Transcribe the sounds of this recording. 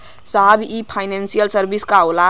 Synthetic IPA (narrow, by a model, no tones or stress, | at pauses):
saɦbʱipʰaɪnensijəlsəɾbiskaola